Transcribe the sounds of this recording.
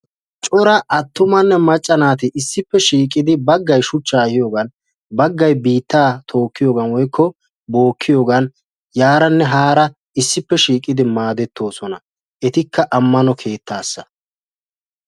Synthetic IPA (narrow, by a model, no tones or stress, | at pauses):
t͡ʃʼɔɾɐʔɐt̪ːʊmɐnːɛmɐt͡ʃʼːɐnaːt̪ɪʔɪsːɪpːɛʃiːkʼːɪd̪ɪbɐɡːɐjʃʊt͡ʃːaːhɪjo̞ːɡɐn | bɐɡːɐjbiːt̪ːaːt̪ʰo̞ːkːɪjo̞ːɡɐnwɔjkʰːɔ | bo̞ːkʰːɪjo̞ːɡɐn | jaːɾɐnːɛɦaːɾɐ | ɪsːɪpːɛʃiːkʼɪd̪ɪmaːd̪ɛt̪ːo̞ːsɔnɐ | ɛt̪ɪkːɐʔɐmːɐnɔkʰe̞ːt̪ʰːaːsːɐ̥